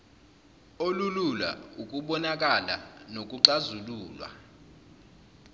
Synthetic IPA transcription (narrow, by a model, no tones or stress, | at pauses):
olulula̰ukʼuɓɔnak̬ʼala̰nok̬ʼuǀazuluːlwa̰